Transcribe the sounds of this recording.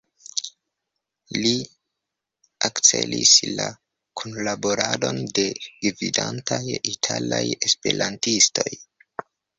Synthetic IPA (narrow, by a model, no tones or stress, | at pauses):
li | akt͡se̞lisla | kʰonlabo̞ɾado̞nde̞ɡvidantajitʰalaje̞spe̞ɾantisto̞j